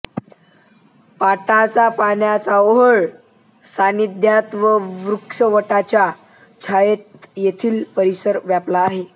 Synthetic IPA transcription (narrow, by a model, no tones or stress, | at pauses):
paʈat͡sapanjat͡saoɦəɭ | sanid̪ʱjat̪ʋəʋɾukʂəʋəʈat͡ɕja | t͡ɕʰajet̪jet̪ʰiːlpəɾisəɾʋjaplaːɦe